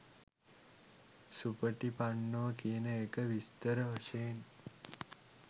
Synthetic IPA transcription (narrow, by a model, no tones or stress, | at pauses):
supəʈipanːoʋəkijənəekəʋist̪əɾəʋəʃeːn